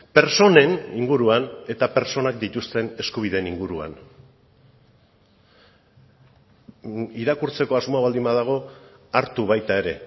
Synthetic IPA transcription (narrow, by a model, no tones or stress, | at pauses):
pe̞ɾso̞ne̞niŋɡuɾuane̞t̪ape̞ɾt͡so̞nak̚d̪it̪ust̪e̞ne̞skuβ̞ið̞e̞niŋɡuɾua̰n | iɾakuɾt͡se̞ko̞azmo̞aβald̪imaðaɣ̞o̞aɾt̪uβajt̪ae̞ɾe̞